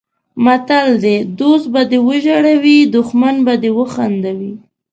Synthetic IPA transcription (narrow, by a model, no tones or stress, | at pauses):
mat̪ald̪ed̪osbad̪ewəʒaɽawid̪ʊxmanbad̪ewəxand̪awi